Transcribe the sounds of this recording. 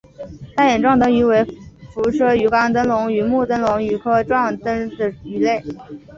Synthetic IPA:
t̪a˥njɛ˨˩nʈ͡ʂwɑ˥˩ŋt̪ɤ˧˥ŋy˧˥we˧˥ɪfu˧˥ʂʰɤ˥y˨˩kɑ˥˩ŋt̪ə˥nlʊ˧˥ŋy˨˩mu˥˩t̪ə˥nlʊ˧˥ŋy˨˩kʰɤ˥˩ʈ͡ʂwɑ˥˩ŋt̪ə˥ŋd̪ə˩y˧˥le˥˩ɪ

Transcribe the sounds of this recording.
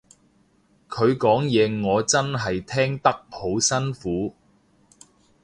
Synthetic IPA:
kʰɵ˨˧ɥkɔː˨˥ŋjɛː˨˧ŋɔː˨˧t͡sɐ˥nɦɐ˨jt̪ʰɛː˥ŋt̪ɐ˥k̚ho˨˥wsɐ˥nfuː˨˥

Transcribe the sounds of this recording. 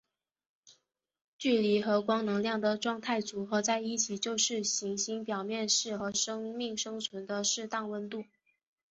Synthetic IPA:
t͡ɕy˥˩li˧˥xɤ˧˥kwɑ˥ŋnɤ˧˥ŋljɑ˥˩ŋd̪ə˩ʈ͡ʂwɑ˥˧ŋt̪ʰa˥˩ɪt͡su˧˥xɤ˧˥t͡sa˥˧ɪi˥˩t͡ɕʰi˨˩t͡ɕjo˥˧ʊʂɻ̩˥˩ɕi˧˥ŋɕi˧˥ŋpjɑ˨˩ʊmjɛ˥˧nʂɻ̩˥˩xɤ˧˥ʂɤ˥ŋmi˥˩ŋʂɤ˥ŋt͡sʰwə˧˥nd̪ə˧ʂɻ̩˥˧t̪ɑ˥˩ŋwə˥nt̪u˥˩

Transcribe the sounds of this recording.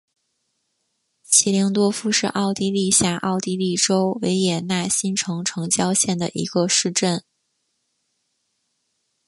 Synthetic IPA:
ɕʰi˧˥li˧˥ŋt̪wɔ˥fu˥ʂɻ̩˥˧ʔɑ˥˩ʊt̪i˥˧li˥˧ɕja˥˩ʔɑ˥˩ʊt̪i˥˧li˥˩ʈ͡ʂo˥ʊwe˧˥ɪjɛ˨˩na˥˩ɕi˥nʈ͡ʂʰɤ˧˥ŋʈ͡ʂʰɤ˧˥ŋt͡ɕjɑ˥ʊɕjɛ˥˩nd̪ə̰˩ʔḭ˧˥ɡə˧ʂɻ̩˥˧ʈ͡ʂə˥˩n

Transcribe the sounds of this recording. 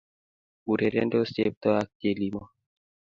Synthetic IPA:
u˨ɾe˨ɾḛ˦ndo˦se˦p̚t̪ɔ˦a˦k̚te˨li˦mɔ˦

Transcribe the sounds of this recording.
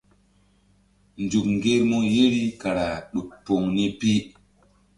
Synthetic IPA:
nd͡ʒu˨kŋɡe˦ɾmo˦je˦ɾi˦ka˨ɾa˨ɗu˨tpːo˨ŋni˦pi˦

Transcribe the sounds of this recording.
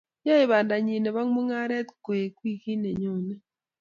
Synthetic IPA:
ja˦e˨βaː˨nda˨ɲi˨ne˨βa˦ŋ˦mu˦ŋa˦ɾe˦t̪ko˨je˨kwi˦˨ki˦ne˨ɲo˦˨ne˦

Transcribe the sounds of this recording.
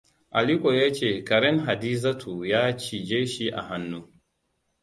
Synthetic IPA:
ʔa˨li˦kʷo˨jaː˦t͡ʃeː˦˨kɐ˨ɾɛ˦nɦa˨diː˦za˦tʰu˨jaː˦t͡ʃi˨d͡ʒeː˦ʃi˦ʔa̰˨ɦa˦nːuː˦

